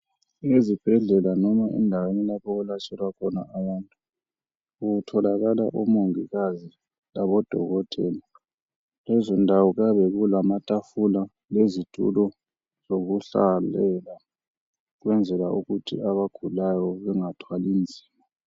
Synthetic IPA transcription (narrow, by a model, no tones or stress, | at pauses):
ezib̥ʱɛɮɛlanɔmaʔɛ̰ndʱawenilapʰɔulat͡ʃʼɛlwakʰɔna̰awantʼu | uɣutʰɔlaɣala̰ʔumoŋiɣazi | laβɔd̥ʱɔɣɔtʼḛli | lɛzɔndʱawɔɣaβɛɣulamatʼafula | lezitʰʼṵlɔ | z̥oɣuɬa̰lɛla | ɣwɛnd͡zʱɛlauɣutʰḭaβaɡ̥ʱulajɔβɛŋatʰwalind͡zʱi̥ːma